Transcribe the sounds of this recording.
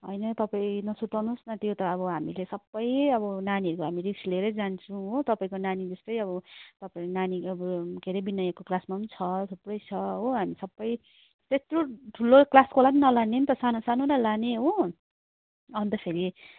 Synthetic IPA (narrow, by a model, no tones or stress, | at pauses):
ɦʌ̰jnʌt̪ʌpaĩnʌsut̪ʌnusnʌt̪jot̪ʌːbʌɦamḭlesʌbːʌjʌbʌnaniɦʌɾukoɦamiriksleɾʌjd͡zant͡sʰũɦot̪ʌpaĩkonanid͡zʌst̪ʌjʌβʌt̪ʌpaĩnaniʌbʌkeɾebinʌjakoklasmaʌnt͡sʰʌsʌbːʌjt͡sʰʌɦoɦamisʌbːʌj | t̪est̪roʈʰulːoklaskolaninʌlanent̪ʌsanosanoɾʌlaneɦo | ʌnt̪ʌpʰeɾi